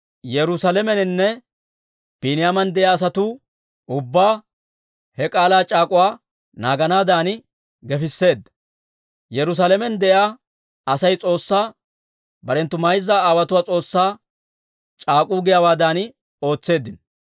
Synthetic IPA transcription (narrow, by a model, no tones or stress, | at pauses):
jɛɾʊsalɛmɛnɪnːɛ | b̥iːnɪjamɐnd̪ɛʔjaːs̬ɐt̪uː | ʊbːaː | hɛkʼaːlaːt͡ʃʼaːkʼʊwaː | naːɡɐnaːd̪aːn | ɡɛfɪsːe̞ːd̪ːɐ̥ | jɛɾʊs̬alɛmɛnd̪ɛʔjaː | ɐsɐjt͡sʼo̞ːsːaː | bɐɾɛnt̪ːʊmɐjzːaːaːwɐt̪ʊwaːt͡sʼo̞ːsːaː | t͡ʃʼaːkʼuːɡɪjawaːd̪aːn | o̞ːt͡sːe̞ːd̪ːɪn